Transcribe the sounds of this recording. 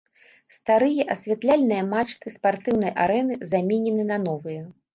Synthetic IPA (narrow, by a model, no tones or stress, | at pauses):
st̪aɾɨjɐʔɐsʲvʲat̪lʲalʲnɨjɐmat͡ʂt̪ɨspart̪ɨwn̪ɐjʔaɾɛnɨzamʲɛnʲɛnɨnɐnɔvɨjɛ